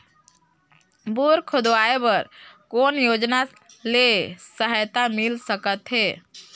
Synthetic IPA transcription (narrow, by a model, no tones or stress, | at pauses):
buɾkʰʊd̪ʋaebəɾkonjod͡ʒna | lesəɦəjt̪amilsəkət̪ɦe